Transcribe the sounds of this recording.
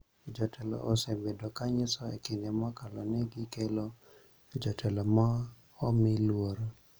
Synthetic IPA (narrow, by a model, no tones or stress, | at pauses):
d͡ʒɔtʰɛlɔ̰ʔosɛbedokaɲɪsɔḛkɪnɛmɔkalɔnɛɡɪkelo | d͡ʒɔtʰɛlɔma | ɔmɪlwoɾ